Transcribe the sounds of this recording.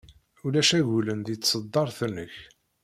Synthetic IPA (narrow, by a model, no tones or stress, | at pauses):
ulæʃæʝulənd̪jət͡sːsəd̪ˤːɑɾˤθənːəç